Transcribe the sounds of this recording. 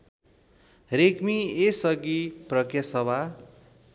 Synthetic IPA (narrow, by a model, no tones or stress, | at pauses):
rekmiesʌɡiprʌkjʌsʌbʱa